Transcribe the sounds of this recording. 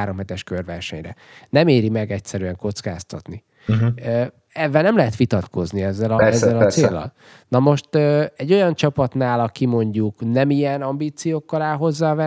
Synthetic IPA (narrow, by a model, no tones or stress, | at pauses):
aːɾo̞mhɛt̪ɛʃkørvɛrʃɛɲrɛ | nɛmeːɾimɛɡɛcsɛɾyɛŋko̞t̪ska̰ːst̪ɒ̰t̪ni | ø | ɛvːɛlnɛmlɛɦɛt̪ʋit̪ɒt̪ko̞zniɛzːɛlɒɛzːɛlɒt͡sseːlːɒ̰l | nɒmo̞ʃt̪øːɛɟːo̞jɒnt͡ʃɒpɒt̪naːlɒkimo̞ɲɟuknɛmijɛnɒmbiːt̪sijoːkːɒlaːlɦo̞zːaːvɛ